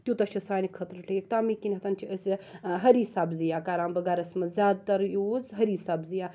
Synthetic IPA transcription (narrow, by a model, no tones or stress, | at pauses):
t̪jut̪ɐʃʰɐsaːnikʰɐt̪ɾʈeːkt̪aːmikinʲɦɐt̪ɐnt͡ʃʰiɐsɦɐɾiːsaːbzijaːkaːɾaːmbɐɡaːɾɐsmɐzʲaːd̪̚t̪ɐɾjuːzɦɐɾiːsaːbzija